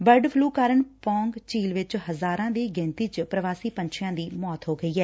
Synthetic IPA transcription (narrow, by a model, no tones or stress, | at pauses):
bəɾɖpʰluːkaːɾəɳpɔ̃ːŋɡt͡ʃiːlʋɪt͡ʃhəzaːɾãːd̪iːɡɪ̃ːnt̪iːt͡ʃpɾəʋaːsiːpəɲt͡ʃʰɪjãːd̪iːmɔːt̪ɦoːɡəiːɦɛː